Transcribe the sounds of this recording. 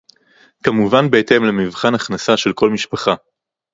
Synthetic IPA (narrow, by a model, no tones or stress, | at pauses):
kamuvanbeete̞mlemivχanaχnasaʃe̞lko̞lmiʃpaχa